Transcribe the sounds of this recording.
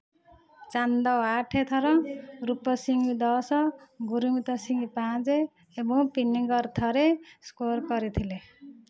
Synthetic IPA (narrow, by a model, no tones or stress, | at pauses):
t͡sand̪ʌwaʈʰet̪ʰʌɾʌrupːʌsiŋɡid̪ʌsʌɡuɾiŋut̪ʌsiŋɡipãt͡seː | bõpiniŋɡʌrt̪ʰʌɾeskorkʌɾit̪ʰile